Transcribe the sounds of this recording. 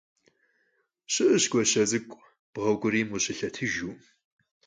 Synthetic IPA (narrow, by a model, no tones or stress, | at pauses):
ɕʼɨʔɨɕkʷʼɔɕɐzɨkʷʼ | b̥ʁɐwɡʷʊɾiːmʊɕɪɬɐtʰɨʒuː